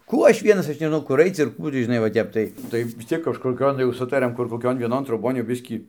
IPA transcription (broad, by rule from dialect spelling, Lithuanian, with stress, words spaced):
ˈkuː ˈɐʃ ˈʋʲiɛnɐs ˈɐʃ nʲɛʒʲɪˈnɐʊ kʊr ˈɐɪt͡s ɪr ˈkuː tʲiː ʒʲɪˈnɐɪ ʋɐ ˈtʲɛp tɐɪ ˈtɐɪ ʋʲɪs ˈt͡sʲiɛk kɐʃkoːˈkʲoːn jɛʊ ˈsʊtɐrʲɛm kʊr koːˈkʲoːn ʋʲiɛˈnoːn troːˈboːn jɛʊ ˈbʲɪsʲkʲiː